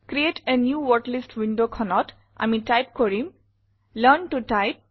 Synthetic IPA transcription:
kɾieʈʰenjuːʋɔʈlisʈʋĩɳɖokʰɔnɔʈ | ʔa̰miʈajp̚kɔɾim | ləɾnʈuʈaɪp̚

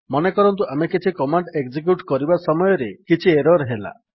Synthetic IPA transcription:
mɔnekɔɾɔnt̪uamekit͡ʃʰikɔmaɳɖeɡd͡ʒik̬juʈkɔɾibasɔmɔjɔɾekit͡ʃʰieɾɔɾɦela̰

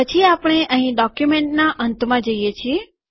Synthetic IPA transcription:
ət͡ʃʰiapɽ̃eʔəɦĩɖɔkjumeɳʈnaʔənt̪mãd͡ʒəijet͡ʃʰie

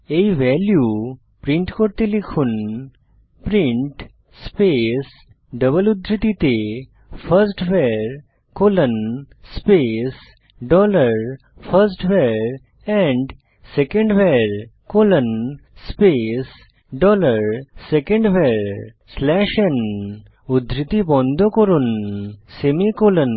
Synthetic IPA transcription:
eiʋɛlju | pɾĩɳʈkoɾt̪ilikʰun | pɾĩɳʈ | spes | ɖəbəlud̪ʱɾit̪it̪e | fʰəɾsʈʋɛɾ | kolən | spes | ɖɔləɾ | fʰəɾsʈʋɛɾ | ɛ̃ɳɖ | sekə̃ɳɖʋɛɾkolənspes | ɖɔləɾsekə̃ɳɖʋɛɾ | slɛʃən | ud̪ʱɾit̪ibɔ̃nd̪ʱokɔɾunsemikolən

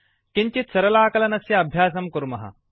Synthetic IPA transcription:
kiɲt͡ɕitsɐɾɐlaːkɐlɐnɐsjɐːbʱjaːs̬ɐmkuɾmɐɦɐ̰

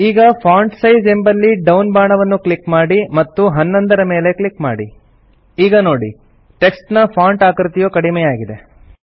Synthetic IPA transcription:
iːɡɐpʰaːɳʈsɐjd͡ʒe̞mbɐlːiɖɐwnbaːɳɐʋɐnːuklikmaːɽimɐt̪ːuɦɐnːɐnd̪ɐɾɐme̞ːle̞klikmaːɽi | iːɡɐno̞ːɽi | ʈe̞ksʈnɐpʰaːɳʈaːkɾt̪ijoːkɐɽimɛːjaːɡid̪e̞

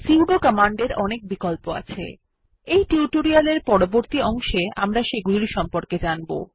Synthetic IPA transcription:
siuɖokɔmaɳɖeɾɔnek̚bikolpoa̰t͡ɕʰḛ | ejʈiʈoɾialeɾpɔɽoboɾt̪iɔŋʃeamɾaʃeɡuliɾiʃɔmpoɾked͡ʑanbo̰

